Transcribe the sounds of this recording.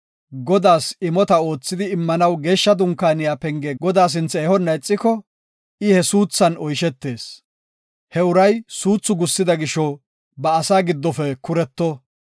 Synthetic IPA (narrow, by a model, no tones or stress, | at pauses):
ɡɔd̪aːsɪmɔt̪ɐo̞ːt͡sːɪd̪ɪːmːɐnɐwɡe̞ːʃːɐd̪ʊŋkːaːnɪjaːpɛŋɡɛɡɔd̪aːs̬ɪnt͡sːɛeːhɔnːɐjt͡sʼːɪkɔ | ʔɪhɛsuːt͡sːɐnɔjʃɛt̪ːe̞ːs | hɛʊɾɐjsuːt͡sːʊɡʊsːɪd̪ɐɡɪʃɔ | bɐːsaːɡɪd̪ːɔfɛkʊɾɛt̪ːɔ